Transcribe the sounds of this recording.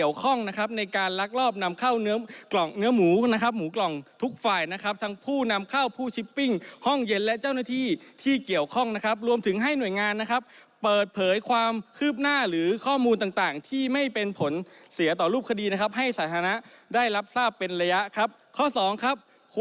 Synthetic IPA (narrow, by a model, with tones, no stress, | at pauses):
əwkʰɔ˥˩ŋna˦˥kʰa˦˥p̚na˧jkaː˧nla˦˥k̚lɔː˥˩p̚na˧mkʰa˥˩wnɯ˦˥ɐklɔ˨˩ŋnɯ˦˥ɐmuː˩˦na˦˥kʰa˦˥p̚muː˩˦klɔ˨˩ŋt̪ʰu˦˥k̚faː˨˩jna˦˥kʰa˦˥p̚t̪ʰa˦˥ŋpʰuː˥˩na˧mkʰaː˥˩wpʰuː˥˩t͡ɕʰi˦˥pːi˥˩ŋhɔ˥˩ŋje˧nlɛ˦˥ʔt͡ɕa˥˩wnaː˥˩t̪ʰiː˥˩t̪ʰiː˥˩ki˨˩əwkʰɔ˥˩ŋna˦˥kʰa˦˥p̚ɾu˧əmt̪ʰɯ˩˦ŋɦa˥˩jnu˨˩əjŋaː˧nːa˦˥kʰa˦˥p̚ | pːɤː˨˩t̪̚pʰɤː˨˩˦jkʰwaː˧mkʰɯː˥˩p̚naː˥˩ɾɯː˩˦kʰɔː˥˩muː˧nt̪aː˨˩ŋt̪aː˨˩ŋt̪ʰiː˥˩ma˥˩jpe˧npʰo˩˦nsi˨˩˦ɐt̪ɔː˨˩ɾuː˥˩p̚kʰa˧diː˧na˦˥kʰa˦˥p̚ɦa˥˩jsaː˩˦t̪ʰaː˧na˦˥ʔdaː˥˩jɾa˦˥p̚saː˥˩pːe˧nɾa˧ja˦˥ʔkʰa˦˥p̚ | kʰɔː˥˩sɔː˩˦ŋkʰa˦˥p̚